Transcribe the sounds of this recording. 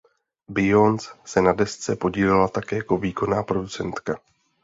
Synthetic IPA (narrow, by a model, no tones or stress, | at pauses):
bɪjo̞nt͡ssɛnadɛst͡sɛpo̞ɟiːlɪlat̪akɛːjako̞viːko̞naːpɾo̞dut͡sɛnt̪ka